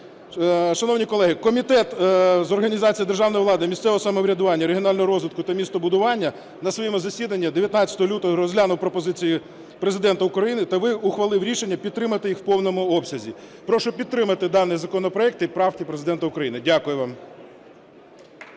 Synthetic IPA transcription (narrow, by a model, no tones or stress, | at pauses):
ʃɐnɔwnʲikɔlˠɛɦɪkɔmʲit̪ɛt̪zɔrɦɐnʲizɑt͡sʲijid̪erʒɑwnɔjiʋlˠɑd̪ɪmʲist̪sɛʋɔɦɔsɐmɔʋɾʲɐd̪ʊʋɑnʲːɐɾeɦiɔnɑlʲnɔɦɔɾɔzʋʲɪt̪kʊt̪ɐmʲist̪ɔbʊd̪ʊʋɑnʲːɐ | nɐsʋɔjimʊzɐsʲid̪ɐnʲːɐd̪eʋʲjɐt̪nɑt͡sʲɐ̥t̪ɔɦɔlʲut̪ɔɦɔɾɔzɦlʲanʊwpɾɔpɔzɪt͡sʲiji | pɾezɪd̪ɛnt̪ɐʊkɾɐjinɪt̪ɐʋɪʊxʋɐlˠɪwɾʲiʃenʲːɐpʲid̪̚t̪ːɾɪmɐt̪ɪjixwpɔwnɔmʊɔpsʲɐzʲipɾɔʃɔpʲid̪ɾɪmɐt̪ɪd̪ɑnɪjzɐkɔnɔpɾɔɛk̚t̪ɪpɾɑwtʲipɾezɪd̪ɛnt̪ɐʊkɾɐjinɪdʲakʊjʊʋɑm